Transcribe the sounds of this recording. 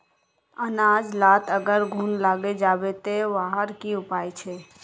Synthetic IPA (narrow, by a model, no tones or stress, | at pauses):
ənaːd͡ʒlaːt̪əɡəɾɡʱuːnlaːɡed͡ʒaːʋet̪eʋaːɦəɾkiʊpaːjt͡ʃʰeː